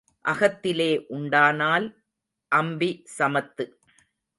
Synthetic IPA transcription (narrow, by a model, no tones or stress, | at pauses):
ʔɐɣɐt̪ːɪleːʔʊɳɖaːnaːl | ʔɐmbisɐmɐt̪ːɯ